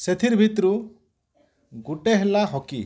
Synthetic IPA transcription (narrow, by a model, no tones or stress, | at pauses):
set̪ʰiɾbʱit̪ɾu | ɡuʈeɦelaɦɔkḭ